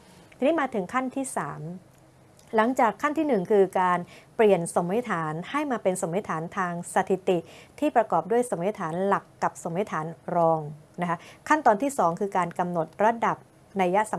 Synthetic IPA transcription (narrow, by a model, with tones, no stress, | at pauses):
t̪ʰiː˧niː˦˥maː˧t̪ʰɯ˩˦ŋkʰa˥˩nt̪ʰiː˥˩saː˩˦m | la˩˦ŋt͡ɕaː˨˩kʰːa˥˩nt̪ʰiː˥˩nɯ˨˩ŋkʰɯː˧kaː˧npli˨˩ənso˩˦mːa˦˥t̪ʰaː˩˦nha˥˩jmaː˧pe˧nso˩˦ma˦˥t̪ʰaː˩˦nt̪ʰaː˧ŋsa˧t̪ʰi˨˩t̪i˨˩ʔt̪ʰiː˥˩pɾa˧kɔː˨˩p̚du˥˩əjso˩˦ma˥t̪ʰaː˩˦nla˨˩kːa˨˩p̚so˩˦ma˦˥jt̪ʰaː˩˦nɾɔː˧ŋna˦˥kʰa˦˥ʔkʰa˥˩nt̪ɔː˧nt̪ʰiː˥˩sɔː˩˦ŋkʰɯː˧kaː˧nka˧mno˨˩t̪̚ɾa˧˥da˨˩p̚ | na˧jːa˦˥sa˩˦